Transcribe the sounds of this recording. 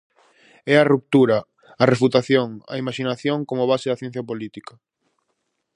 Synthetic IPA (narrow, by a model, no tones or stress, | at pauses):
ɛɐrup̚t̪uɾa | ɐrefut̪aθjoŋa̰imaʃinaθjoŋkomoβ̞aseðɐθjɛ̃n̟θjapolit̪ikɐ